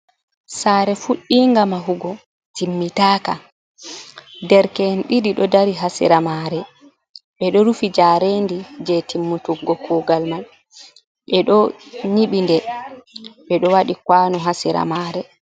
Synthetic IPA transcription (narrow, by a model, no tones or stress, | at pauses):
saːɾɛfuɗːiŋɡamaɦuɡɔ | timːitaːka̰ | dɛɾkɛnɗiɗiɗɔdaɾiɦasḭɾamaɾɛ | ɓɛɗɔɾufid͡ʒaɾeːndid͡ʒetimːutuɡɡɔkʰɔɡalmal | ɓɛɗɔɲiɓindɛ | ɓɛɗɔwaɗikwaːnɔɦasiɾa̰maːɾɛ